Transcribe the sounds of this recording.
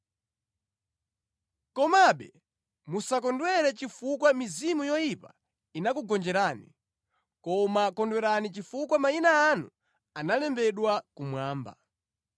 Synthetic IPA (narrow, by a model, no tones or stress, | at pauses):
kɔmaɓɛ | musak̬ɔndwɛɾɛt͡ʃifukwamizimujɔjipa | inakuɡɔnd͡ʒɛɾaːni | kɔmakɔndwɛɾanit͡ʃifukwamainaːnṵ | analɛmbɛɗwakumwaːmba̰